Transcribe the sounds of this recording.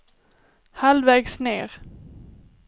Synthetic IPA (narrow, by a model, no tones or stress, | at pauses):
halvɛːɡsneːɾ